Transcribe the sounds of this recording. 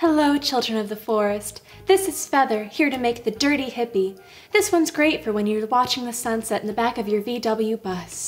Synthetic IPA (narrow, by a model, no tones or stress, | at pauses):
hɛloʊt͡ʃʰɪlˠdɹɨ̃nʌvðəfɔɹɨst | ðɪsɨz̥fɛðə˞hiɹɾɨmeɪk̚ðɨdɜ˞ɾihɪpi | ðɪswʌ̃nzɡɹeɪtfə˞wə̃njə˞wɑt͡ʃɪ̃ŋðɨsʌ̃nsɛɾ̃n̩ðɨbækʌvjə˞vidʌbl̩ˠjʉbʌs